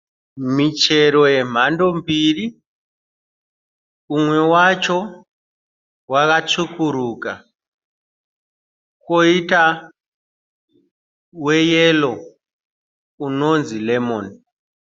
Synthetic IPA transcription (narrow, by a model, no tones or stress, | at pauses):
mit͡ʃe̞ɾo̞je̞m̤ando̞mbiːri | umwe̞wat͡ʃo̞ | wakat͡ʂukuɾuːka | koita | we̞jelo̞ | uno̞nzile̞mon